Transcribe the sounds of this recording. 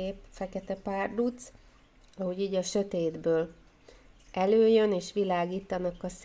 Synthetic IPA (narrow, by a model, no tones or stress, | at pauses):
eːpfɛkɛt̪ɛpaːrd̪ut̪s | ɒhoɟiːɟɒʃø̞t̪eːd̪bøːl | ʔɛløːjøneːʃʋilaːɡiːt̪ɒnɒkɒs